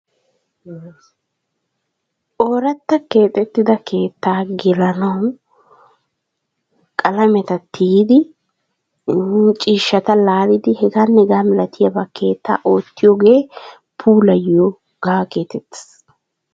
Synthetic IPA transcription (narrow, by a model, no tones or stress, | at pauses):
ʔoːɾɐt̪ːɐke̞ːt̪ʼɛt̪ːɪd̪ɐkʰe̞ːt̪ːaːɡɪlɐnɐw | kʼɐlɐmɛt̪ɐt̪ʰːiːd̪ɪ | t͡ʃʼiːʃːɐt̪ɐlaːɾɪd̪ɪhɛɡaːnːɛɡaːmɛlɐt̪ʰɪjɐbɐkʰe̞ːt̪ːa̰ːʔo̞ːt̪ːɪjoɡe̞ː | pʰuːlɐjːo | ɡ̥aːke̞ːt̪ɛt̪ːɪ̥s